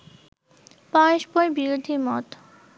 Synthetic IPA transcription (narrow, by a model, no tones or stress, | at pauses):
paeʃpɔbiɾod̪ʱimɔt̪